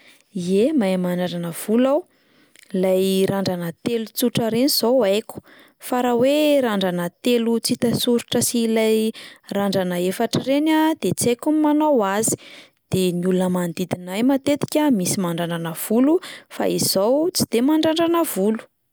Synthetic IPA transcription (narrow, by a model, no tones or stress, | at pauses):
iemajmaɳɖ͡ʐaɾanəv̥ulaw | lajɾaɳɖ͡ʐanət̪elut͡suʈ͡ʂəɾeniz̥owajkʲu̥ | faɾaweɾaɳɖ͡ʐanət̪elut͡sit̪asuɾuʈ͡ʂəsilajraɳɖ͡ʐanəefaʈ͡ʂirenad̪̥et͡sajkumimanowazi̥ | d̪̥eniulunəmand̪id̪inajmat̪et̪i̥kʲəmisimaɳɖ͡ʐaɳɖ͡ʐanəv̥ulufa̰izowt͡si̥d̪̥emaɳɖ͡ʐaɳɖ͡ʐanəvulu̥